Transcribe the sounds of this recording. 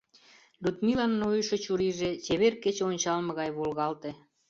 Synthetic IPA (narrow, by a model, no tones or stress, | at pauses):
lʲut̪milɑnːojʃɤ̆t͡ɕuɾiʒet͡ɕeβerket͡ɕeonʲt͡ɕɑlmɤ̆ɣɑjβolɣɑlt̪e